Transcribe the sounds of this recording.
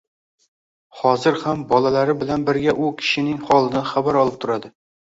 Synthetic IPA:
χɒzɪɾhambɒlˠalaɾɪbɪlanbɪɾɡʲaʔʊkʲʰɪ̥ʃɪnɪŋχɒlˠɪd̪anχabaɾɒlˠɪp̚t̪ʰʊɾad̪ɪ

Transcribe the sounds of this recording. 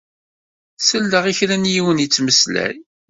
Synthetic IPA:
səlːəʁiçɾænjiwənjit͡sːməslæ̰j

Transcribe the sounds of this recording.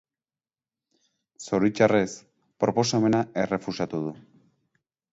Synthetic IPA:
so̞ɾit͡ʃare̞s | pɾo̞po̞same̞nae̞re̞fusat̪uð̞u

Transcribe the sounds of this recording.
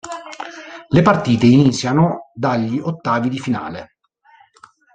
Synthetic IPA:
lepart̪iːt̪einit̪sːjanod̪aʎːot̪ːaːvid̪ifina̰ːle

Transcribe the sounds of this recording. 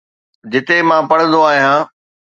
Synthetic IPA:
d͡ʑɪt̪emãːpɐɽ̤̃ə̃nd̪oaːɦijãː

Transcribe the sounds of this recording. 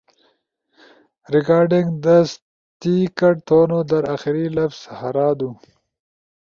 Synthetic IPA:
ɾɪkɑːɾɖɪŋɡd̪əs | t̪ikaʈ̚t̪onod̪əɾaxɪɾilafz̥haɾɑːd̪u

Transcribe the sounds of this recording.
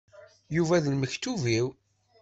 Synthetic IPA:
juvæðənməçt̪ːuviw

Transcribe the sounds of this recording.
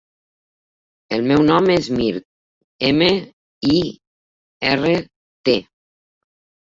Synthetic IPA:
elmɛwnɔmezmiɾt̪̚ | eme | i | ɛre | t̪e

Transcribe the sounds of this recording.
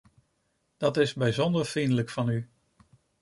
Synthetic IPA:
d̥ɑtɪzbɛjzɔndəɹfrindələkfɑny

